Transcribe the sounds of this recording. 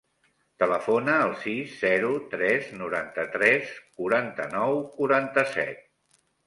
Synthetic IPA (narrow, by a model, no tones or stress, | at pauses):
t̪ələfonəːlˠsizːɛɾut̪ɾɛznuɾant̪ət̪ɾɛskuɾant̪ə̰nɔwkuɾant̪əsɛ̰t̪̚